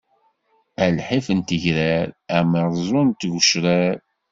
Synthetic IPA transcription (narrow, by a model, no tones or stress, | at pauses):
ælħifənt̪əʝɾæɾæməɾˤzˤʊnt̪ːʝəʃɾæɾ